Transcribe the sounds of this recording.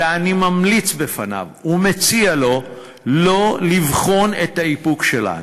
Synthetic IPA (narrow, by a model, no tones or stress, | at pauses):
animamlit͡sbe̞fana̰vume̞t͡sialo̞ | lo̞livχo̞ne̞t̪haipukʃela̰n